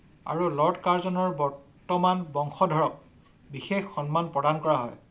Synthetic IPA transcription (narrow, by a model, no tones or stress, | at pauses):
a̰ɹulɔɹtkaɹzɔnɔɹbɔɹtɔmanbɔŋxɔdʱɔɹɔk̚ | bixexːɔnmanpɹɔdankɔɹaɦɔ̰j